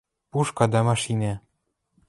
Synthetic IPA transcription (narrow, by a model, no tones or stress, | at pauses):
puʃkɑd̪ɑmɑʃinæ̆